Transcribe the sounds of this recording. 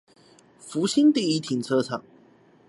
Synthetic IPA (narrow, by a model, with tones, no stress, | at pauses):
fu˧˥ɕi˥nt̪i˥˧i˥t̪ʰi˨˩ŋt͡sʰɤ˥t͡sʰɑ̰˨˩˦ŋ